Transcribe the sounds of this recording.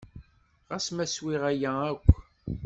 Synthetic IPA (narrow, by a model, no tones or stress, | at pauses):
ʁæsmæswiʁæjæækʷː